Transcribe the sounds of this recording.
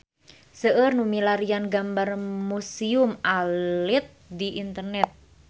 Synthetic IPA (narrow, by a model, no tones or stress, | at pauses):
səʔərnumilaɾijanɡambarmusiʊmʔalɪt̪̚d̪iʔint̪ərnɛt̪̚